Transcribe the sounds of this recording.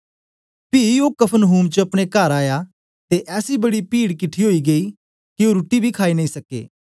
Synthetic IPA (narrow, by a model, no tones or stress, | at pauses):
pioːkɐpʰənɦuːmt͡ʃəɐpɽ̃ekaːɾaːja | t̪eʔɛːsibɐɽipiːɽkɪʈʰiɦoːiɡɐi | kioɾuʈibʱikʰaːinɐĩsɐkḛː